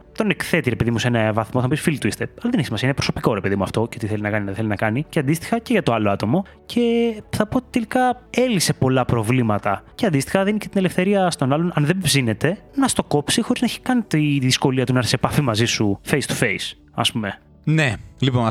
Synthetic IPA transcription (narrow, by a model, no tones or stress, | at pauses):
t̪o̞nekθe̞t̪iɾepeðimusenɐvɐθmoθɐnɐpisfilit̪uist̪eɐlɐðeneçsimɐsiɐinepɾoso̞piko̞ɾepeðimuɐft̪o̞ceot̪iθe̞linɐkɐninɐðθelinɐkɐniceɐnd̪ist̪i̥xɐceʝɐt̪o̞ɐlo̞ɐt̪o̞mo̞ | cʰe̞θɐpoot̪it̪elikɐe̞lise̞po̞lɐpɾo̞vlimɐt̪ɐceɐnd̪ist̪i̥xɐðinice̞t̪ine̞le̞fθe̞ɾiɐst̪o̞nɐlo̞nɐnðemvzine̞t̪e̞nɐst̪o̞ko̞psixo̞ɾiznɐeçi̥kɐnit̪iðisko̞liɐt̪unɐɐɾθisepɐfimɐzisufejst̪u̥fe̞js | ɐ̰spume̞ | nelipon